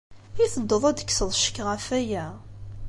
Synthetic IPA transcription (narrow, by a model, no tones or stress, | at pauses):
iθəd̪ːəðˤæd̪əkːsəðˤʃə̥kːʁafæjæ